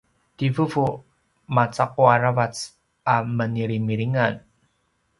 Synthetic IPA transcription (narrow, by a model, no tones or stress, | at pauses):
tivuvu | mat͡saq̚uaɾavat͡s | aməniɾimiɾiŋan